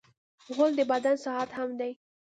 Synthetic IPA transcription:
ɣold̪əbad̪ansɑat̪hamd̪aj

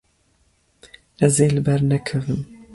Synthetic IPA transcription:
ʔɛzeːlɨbɛɾnɛkʰɛvɨm

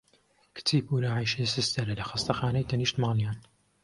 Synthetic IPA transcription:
kʰɨ̥t̪ʰiːpuːlaːʕijʃesɨst̪ɐɾɐlɐxɐst̪ɐxaːnɐjt̪ʰɐniːʃt̪maːljaːn

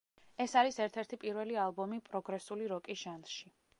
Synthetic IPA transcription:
ɛsaɾisɛɾt̪ʰɛɾt̪ʰipʼiɾvɛlialˠbɔmipʼɾɔɡɾɛsuliɾɔkʼiʒ̥anʃi

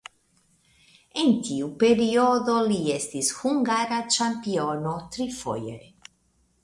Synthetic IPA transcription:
ent̪iupeɾioðoliɛst̪ishuŋɡaɾat͡ʃampionot̪ɾifo̰jḛɾe

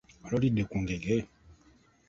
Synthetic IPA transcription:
ɔlɔɾidekũŋɡeɡe

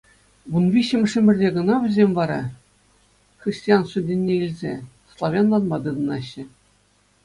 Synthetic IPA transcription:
ʋunʋʲiɕɘ̆mʲɘ̆ʂɘ̆mʲɘ̆rʲdʲeɡɤ̆nɑʋʲɘ̆zʲemʲvɑɾɑ | xrʲisʲtʲijɑnʂŭdʲenʲːeilʲzʲe | slˠɑʋʲɑnlˠɑnmɑd̪ɯd̪ɤ̆nɑɕːɘ̆

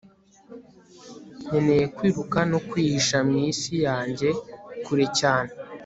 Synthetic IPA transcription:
ɲenejekwiːɾukanokwiʃamŋisijaːɲɟe̞kuɾecaːne

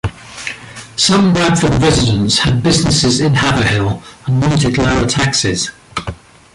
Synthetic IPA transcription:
sʌ̃mbɹad̥fədɹɛzɪdə̃ntshəd̚bɪznɪsɪzɪ̃nhavəhɪlˠə̃nwɔ̃ˑntɪdlaɹətʰaksɪz̥

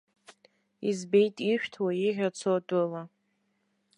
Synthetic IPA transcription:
izbe̞jtʼiʃᶣtʰwaiʒʲʷᶣat͡sʰotʼɨla

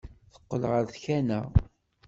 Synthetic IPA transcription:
θə̥qːəlʁəɾθçænæ̰

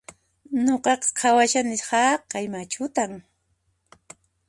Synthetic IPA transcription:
noqɑqɑ̥qʰawaʃanɪshɑqɑjmat͡ʃʊt̪aŋ

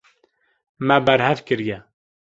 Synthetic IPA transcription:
mɛbæɾhɛvkɨɾjɛ

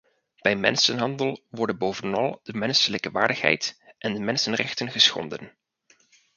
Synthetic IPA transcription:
b̥ɛjmɛ̰nsənɦɑndəlˠʋɔɹdənbowvənɑlˠd̥əmɛnsələkəʋa̰ːɹdəχɦɛ̰jtʔɛndəmɛnsənrɛ̰χtənχəsχɔ̰ndən

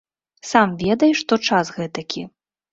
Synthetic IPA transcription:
samvʲɛd̪ɐjʂt̪ɔt͡ʂasɣɛt̪ɐkʲʰi

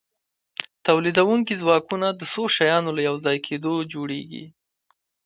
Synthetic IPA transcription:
t̪awlid̪awuŋkizwɑkunad̪əsoʃajɑnolajawzɑjkʰed̪od͡ʒoɽeɡḭ

